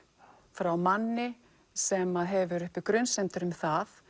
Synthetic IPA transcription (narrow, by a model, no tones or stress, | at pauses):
fɾawmanːɪ | sɛmaðɦɛvʏɾʏhpɪkɾœnsɛmt̪ʏɾʏmθaθ